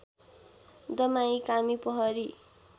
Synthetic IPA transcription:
d̪ʌmaĩkamipʌɦʌɾi

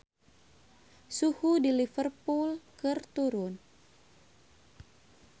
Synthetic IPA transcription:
suhudilifərpulkɨrt̪uɾʊn

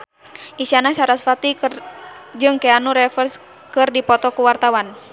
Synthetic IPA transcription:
ʔiʃanaʃaɾasfat̪i | d͡ʒɨŋkɛanuɾɛfərs | kɨrdipɔt̪ɔkuwart̪awan

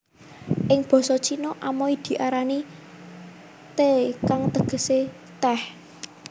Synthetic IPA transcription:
ʔɪŋb̥ɔ̤sɔt͡ʃʰinoʔamoid̪̥i̤ʔaɾani | t̪ekaŋt̪əɡ̥ə̤se | t̪ɛh

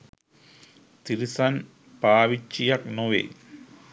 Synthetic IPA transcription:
t̪iɾisɐn | paːʋit͡ʃːijɐk̚noʋḛː

